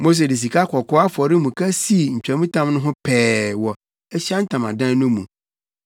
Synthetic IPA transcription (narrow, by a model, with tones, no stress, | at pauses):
mo˦s̬e˨di˨s̬i˨kʰa˦kʰɔ˨kʰɔ˦a˦fɔ˨ɾɪ˦mũ˨kʰa˦si˦˨ɲ̩˨t͡ɕᶣa˨mũ˦tʰã˦mnʊ̃˦ɦʊ̃˦pʰɛː˨wɔ˨ | ɛ˦ɕa˦n̩˦tʰã˨mã˨dã˦n˦nʊ̃˦mũ˨